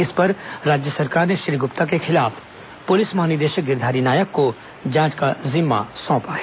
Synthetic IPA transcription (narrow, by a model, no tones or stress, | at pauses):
ɪspɐɾɾaːd͡ʒjəsɐɾkaːɾneʃɾiɡʊpt̪akexɪlaːf | pʊlɪsmaɦnid̪eːʃəɡɪɾd̪ʱaːɾinaːjəkːo | d͡ʒãːt͡ʃkazɪmːa̰sɔ̃ːpaɦɛː